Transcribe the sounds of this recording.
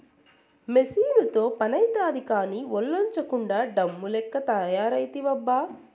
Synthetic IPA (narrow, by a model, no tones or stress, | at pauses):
mesiːnut̪o̞ːpɐnɐjt̪aːd̪ʱikaːniːʋɔɭːɐɲt͡ʃɐkuɳɖaːɖɐmːulɛkːɐt̪ɐjaːɾɐjt̪iʋɐbːaː